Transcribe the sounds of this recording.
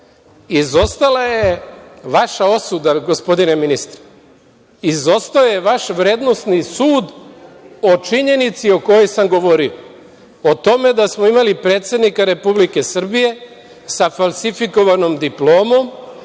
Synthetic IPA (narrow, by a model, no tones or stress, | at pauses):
izo̞st̪alajeʋaʃao̞sud̪aɡo̞spo̞d̪ineminist̪ɾḁ | izo̞st̪aojeʋaʃʋɾe̞ːd̪no̞st̪nisuːd̪ | o̞t͡ʃiɲe̞nit̪sio̞ko̞jojsamɡo̞ʋo̞ɾio | ot̪o̞me̞d̪asmoimalipɾe̞ːt̪sed̪nikaɾe̞publike̞sr̩bije̞ | safalˠsifiko̞ʋano̞md̪iplˠo̞ːmo̞m